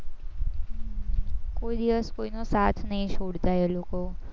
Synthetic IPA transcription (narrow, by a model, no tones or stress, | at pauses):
koid̪iʋəskoinosat̪ʰnəɦĩʃʰoɽt̪ajeloko